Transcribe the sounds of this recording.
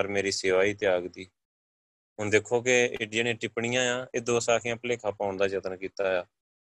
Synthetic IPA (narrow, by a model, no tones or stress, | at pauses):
pəɾmeːɾiːseːʋaːiːt̪ɪjaːɡd̪iː | ɦʊnd̪eːkʰoːk̬ḛːɖɪjaːnẽːʈɪpɳɪjãːjãːeːd̪oːsaːkʰjãːpəleːkʰaːpaːʊnd̪aːd͡ʒət̪ənkiːt̪aːjaː